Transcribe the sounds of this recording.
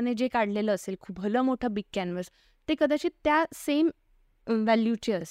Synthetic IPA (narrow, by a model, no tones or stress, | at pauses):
ned͡ʑekaɽleləːselkʰubʱələmoʈʰabikːænʋəs | t̪ekəd̪at͡ɕiːt̪jasem | ʋæljut͡ɕeəs